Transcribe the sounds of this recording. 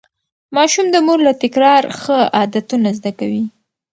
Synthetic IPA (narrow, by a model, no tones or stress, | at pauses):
mɑʃumd̪əmoɾlat̪ɪkɾɑɾxəɑd̪at̪unazd̪akawi